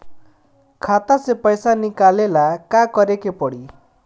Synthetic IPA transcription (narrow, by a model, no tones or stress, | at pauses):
kʰat̪asepɔjsanikalelakakɔɾekepɔɽi